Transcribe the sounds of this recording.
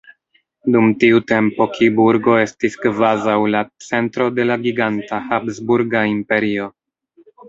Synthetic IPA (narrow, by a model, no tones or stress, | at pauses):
dumtiute̞mpo̞kʰibuɾɡo̞e̞stiskvazawlat͡se̞ntɾo̞de̞laɡiɡantahabzbuɾɡaimpe̞ɾio̞